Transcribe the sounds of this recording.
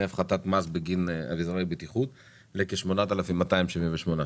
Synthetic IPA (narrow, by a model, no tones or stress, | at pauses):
afχat̪at̪mazbeɡina̰vizʁaibit̪iχut̪ | lekeʃmo̞nat̪alafimːat̪aimʃivimveʃmona